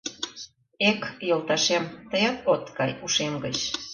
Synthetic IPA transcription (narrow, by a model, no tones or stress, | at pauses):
ekjolˠt̪ɑʃemt̪əjɑt̪ot̪ɡɑjuʃemɡət͡ɕ